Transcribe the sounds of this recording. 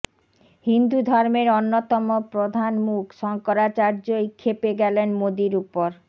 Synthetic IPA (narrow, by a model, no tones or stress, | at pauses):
hind̪ud̪ʱɔɾmeɾonːot̪ɔmopɾod̪ʱanmukʃɔŋkoɾat͡ɕaɾd͡ʑojkʰepeɡɛlenmod̪iɾupoɾ